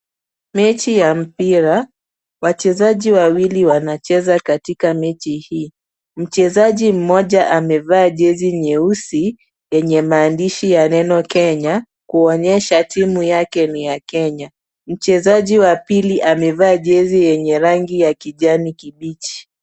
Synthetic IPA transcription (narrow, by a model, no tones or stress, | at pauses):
mɛt͡ʃijam̩piɾa | wat͡ʃɛzaʄiwawiliwanat͡ʃɛzakatikamɛt͡ʃihiː | m̩t͡ʃɛzaʄim̩mɔʄaʔamɛvaːʄɛziɲɛusi | jɛɲɛmaːndiʃijanɛnɔkɛɲa | kuɔɲɛʃatimujakɛnijakɛɲa | m̩t͡ʃɛzaʄiwapiliʔamɛvaːʄɛzijɛɲɛɾaŋɡijakiʄanikiɓit͡ʃi̥